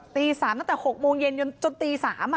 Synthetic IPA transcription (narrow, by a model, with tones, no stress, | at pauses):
t̪i˧saː˨˩˦nɔ˨˦˥t̪aː˨˩xo˨˩t̚mu˧nje˨˧˩nʊ˧t͡ɕʊ˧nt̪i˧saː˧˩˦maː˨